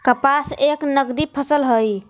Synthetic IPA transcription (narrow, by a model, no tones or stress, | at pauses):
kəpaseknəɡd̪ipʰəsəlɦəj